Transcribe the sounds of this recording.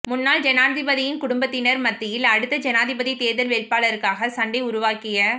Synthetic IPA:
mʊnːaːld͡ʒɛnaːðɪbɐðɪjɪnkʊɽʊmbɐt̪ːɪnɐɾmɐt̪ːɪjɪlɐɽɯt̪ːɐd͡ʒɛnaːðɪbɐðit̪eːðɐlʋeːlpaːlɐɾɯkːaːɣɐsɐɳɖɪʊɾʊʋaːkɪjɐ

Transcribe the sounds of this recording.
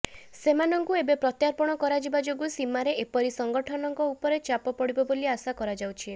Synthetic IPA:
semanɔŋkuebepɾɔt̪jaɾpɔɽ̃ɔkɔɾad͡ʒibad͡ʒoɡusimaɾeʔepɔɾisɔŋɡɔʈʰɔnɔŋkɔupɔɾet͡ʃapɔpɔɽibɔboliasakɔɾad͡ʒawt͡ʃʰi

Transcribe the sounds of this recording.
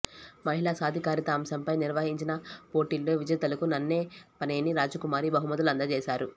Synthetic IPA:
mɐɦilaːsaːd̪ʱikaːɾit̪aːmsɐmpɐjniɾʋɐɦiɲt͡ʃinɐpo̞ːʈiːlːo̞ːʋid͡ʒɐt̪ɐlɐkunɐnːe̞ːpɐneːniɾaːd͡ʒɐkumaːɾibɐɦumɐd̪ɐlɐnd̪ɐt͡ʃɛːʃaːɾu

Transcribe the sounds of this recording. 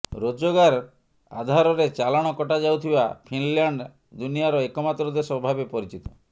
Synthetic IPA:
ɾod͡ʒoɡaɾ | a̰d̪ʱaɾɔɾet͡ʃalaɽ̃ɔkɔʈad͡ʒawt̪ʰiba̰pʰinlaɳɖ | d̪unijaɾɔekɔmat̪ɾɔd̪esɔbʱabepɔɾit͡ʃit̪ɔ̥

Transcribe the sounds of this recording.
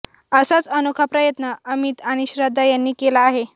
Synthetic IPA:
əsat͡sənukʰapɾəjət̪nəʔəmit̪aɽ̃iɕɾəd̪ʱːajanːiːkelaːɦe

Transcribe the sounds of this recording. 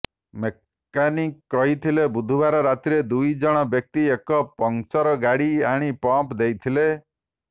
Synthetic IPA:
me | kanikːɔɦit̪ʰilebud̪ʱubaɾɔɾat̪iɾed̪ujd͡ʒɔɽ̃ɔbjɔk̚t̪iekɔpɔŋt͡ʃɔɾɔɡaɽiaɽ̃ipɔmpd̪ejt̪ʰile

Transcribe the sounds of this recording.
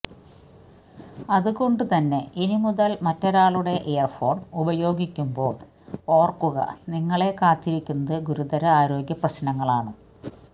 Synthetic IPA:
ɐðuɣo̞ɳɖut̪ɐnːe̞inimuðɐlmɐtːoɾaːɭuɽe̞ʔejɐrfo̞ːɳubɐjo̞ːɡikʲːumbo̞ːɭ | o̞ːrkːuɣɐ̰niŋːɐɭe̞kaːt̪ːiɾikʲːunːɐðɨɡuɾud̪ɐɾɐaːɾo̞ːɡjɐprɐɕnɐŋːɐɭaːɳɨ

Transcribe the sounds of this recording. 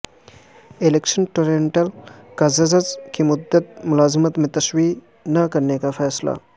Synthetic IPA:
elekʃɐnʈoɾeɳʈɐlkɐzɐzɐzkimʊd̪ːət̪̚mʊlaːzmət̪mẽt̪ɐswiː | nɐkɐɾnekafʰɛːsla̰

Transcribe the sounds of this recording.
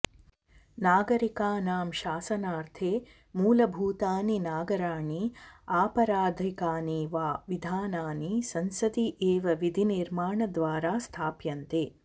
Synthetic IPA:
naːɡɐɾikaːnaːmʃaːsɐnaːɾt̪ʰeː | muːlɐbʱuːt̪aːninaːɡɐɾaːɳiaːpɐɾaːd̪ʱikaːniːʋaːʋid̪ʱaːnaːnisɐnsɐd̪iʔeːʋɐʋid̪ʱiniɾmaːɳɐd̪ʋaːɾaːst̪ʰaːpjɐnt̪eː

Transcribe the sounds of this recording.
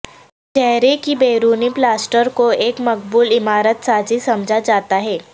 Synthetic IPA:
t͡ʃɛɦɾekibeːɾuːniplaːsʈəɾkoeːkmɐk̚buːlɪmaːɾət̪saːd͡ʒisɐmd͡ʒʱad͡ʒaːt̪aɦɛː

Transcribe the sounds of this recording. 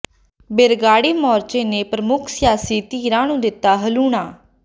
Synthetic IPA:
bɪɾɡaːɽiːmɔːɾt͡ʃeːneːpɾəmʊkʰsɪjaːsiːt̪iːɾãːnũːd̪ɪt̪ːaːɦəluːɳaː

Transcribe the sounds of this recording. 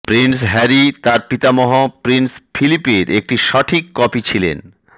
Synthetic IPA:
pɾinsɦɛɾit̪aɾpit̪amɔɦopɾinsfʰilipeɾʔek̚ʈiʃɔʈʰikːɔpit͡ɕʰilḛn

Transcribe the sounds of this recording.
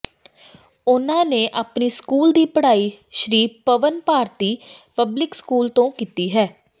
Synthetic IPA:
ʊnãːneːʔaːpniːskuːld̪iːpəɽaːiː | ʃɾiːpəʋənpaːɾt̪iːpəblɪkskuːlt̪õːkiːt̪iːɦɛː

